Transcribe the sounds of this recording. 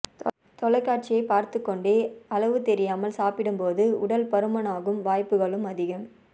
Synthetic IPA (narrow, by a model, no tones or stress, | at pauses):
t̪ɔlɐɪkːaːʈ̚t͡ʃɪjɐɪpaːɾt̪ɯkːɔɳɖeːɐlɐʋɯt̪ɛɾɪjaːmɐlsaːpɪɽɯmpoːðɯʊɽɐlpɐɾɯmɐnaːɣɯmʋaːjpːɯɣɐɭɯmɐðɪɣɯm